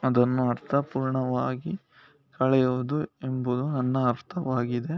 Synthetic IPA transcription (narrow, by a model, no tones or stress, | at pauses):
ɐd̪ɐnːuɐɾt̪ʰɐpuːɾɳɐʋaːɡi | kɐɭɛjoːd̪uembud̪unɐnːɐːɾt̪ʰɐʋaːɡid̪e